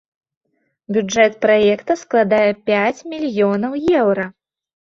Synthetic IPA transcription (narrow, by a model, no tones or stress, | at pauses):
bʲud͡ʐɛt̪̚pɾajɛkt̪ɐsklˠad̪ajɛpʲat͡sʲmʲilʲjɔnɐwjɛwɾɐ